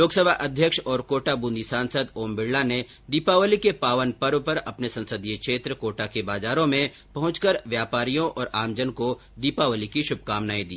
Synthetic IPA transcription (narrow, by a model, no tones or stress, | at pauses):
loːksəbʱaʔɐd̪ʱjəkʃɔːɾkoːʈabũnd̪ʱisãːnsəd̪oːmbɪɽːane | d̪iːpaʋəlikepaːʋənpɐɾʋpɐɾɐpnesɐ̃nsəd̪ijekʃeːt̪ɾəkoːʈakebaːzaːɾõmẽ | pɐɦʊ̃t͡ʃkəɾʋjaːpaːɾijõʔɔːɾaːmd͡ʒənko | d̪iːpaʋəlikiʃʊb̚ʱkaːmnaːĩd̪ḭː